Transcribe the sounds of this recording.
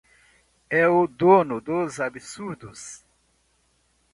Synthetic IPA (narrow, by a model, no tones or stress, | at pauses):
ɛʊd̪onʊd̪ozabisuɾd̪ʊs